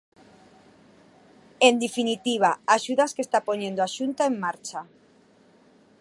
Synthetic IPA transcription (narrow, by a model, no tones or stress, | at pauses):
end̪efinit̪iβ̞aaʃuðaskest̪apoɲẽnd̪oaʃunt̪aeŋmaɾt͡ʃa